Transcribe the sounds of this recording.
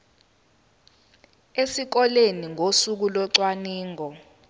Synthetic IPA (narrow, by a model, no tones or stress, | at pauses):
esik̬ɔleniŋʱosuk̬ulɔǀwaniːŋɔ